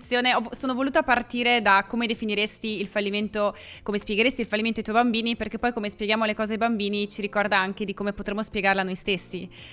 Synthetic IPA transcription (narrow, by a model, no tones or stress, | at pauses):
t̪sːjoːneɔsoːnovoluːt̪apart̪iːɾed̪akomed̪efiniɾest̪iilfalːiment̪o | komespjeɡeɾest̪ilfalːiment̪oajt̪wɔjbambiːniperk̟epːɔjkomespjeɡjaːmolekɔːzedejbambiːnit͡ʃiɾikɔrd̪aaŋk̟ed̪ikomepot̪ɾemːospjeɡaɾelanːojst̪esːi